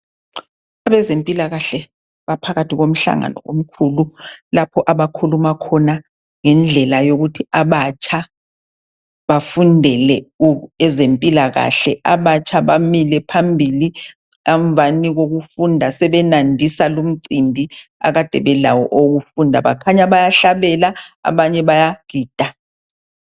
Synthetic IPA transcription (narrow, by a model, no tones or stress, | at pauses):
aβɛzempʼilaɣaɬɛ | βapʰaɣatʰiɣom̩ɬa̰ŋa̰nɔ̰ʔo̰m̩kʰululapʰɔʔaβakʰulumakʰɔna | ŋɛnd͡ɮʱɛlajoɣutʰiaβat͡ʃʰʼa | βafundʱɛlɛuɛzempʼilaɣa̰ɬɛʔaβat͡ʃʰaβamilɛpʰambʱili | ɣaɱvʱaniɣoɣufundʱasɛβɛnandʱisalum̩ǀimbʱia̰ɣad̥ʱɛβɛlawɔ̰ʔoɣufundʱaβakʰaɲaβajaɬaβɛlaa̰βaɲɛβajaɡ̥ʱiːd̥ʱa